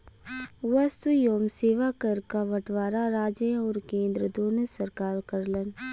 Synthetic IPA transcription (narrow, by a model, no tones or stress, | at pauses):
ʋast̪ujoːmseːʋakɐɾkaʋɐʈʋaːɾaɾaːd͡ʒẽɔːɾkẽːnd̪ɾəd̪oːnəsɐɾkaːɾkəɾlən